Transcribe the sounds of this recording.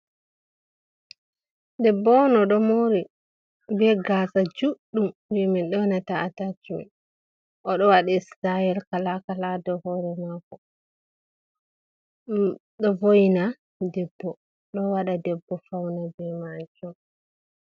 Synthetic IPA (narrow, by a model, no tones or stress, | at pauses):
dɛbːɔnɔɗɔmoɾi | bɛɡasad͡ʒuɗːumwimɛnɗɔwnataatad͡ʒumḭn | ʔɔɗɔwaɗaistaɛlkalakaladɔhɔːɾɛmakɔ | ɗɔvojna | dɛbːɔ | ɗɔwaɗadɛbːɔfawnabɛmad͡ʒɔ